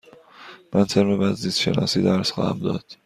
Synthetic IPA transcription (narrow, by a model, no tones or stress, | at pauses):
mænt̪ʰeɾmebæzːiːsʃḛnɒ̰ːsiːd̪æɾsxɒ̰ːhæ̰md̪ɒ̰ːd̪̥